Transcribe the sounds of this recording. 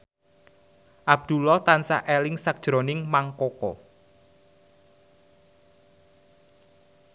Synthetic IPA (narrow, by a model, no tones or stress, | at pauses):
ʔab̚d̪̥ṳlɔt̪ansa̰ʔelɪŋsak̚d̥ʒ̥ɾo̤nɪŋmaŋkokɔ̰